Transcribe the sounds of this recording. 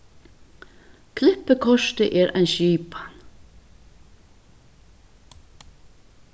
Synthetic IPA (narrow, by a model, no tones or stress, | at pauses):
kʰlɪhpːəkʰɔʃt̪ɪʔɛːɾʔa̰jnʃiːpḁn